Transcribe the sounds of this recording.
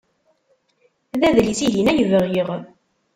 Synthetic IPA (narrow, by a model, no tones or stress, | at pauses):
ðæðlisilinæjəvəʁjiʁ